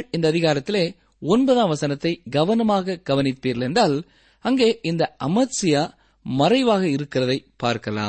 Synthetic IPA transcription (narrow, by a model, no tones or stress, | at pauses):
ɭɪnd̪ɐːðɪɣaːɾɐt̪ːɪleː | ɔnbɐðaːmʋɐsɐnɐt̪ːɐɪɡɐʋɐnɐmaːɣɐɡ̥ɐʋɐnɪt̪ːiːɾlɛndaːl | ɐŋɡeːʔɪnd̪ɐʔɐmɐtsɪjaː | mɐrɐɪʋaːɣɐɪɾɯkːɪrɐðɐɪpaːɾkɐla̰ːm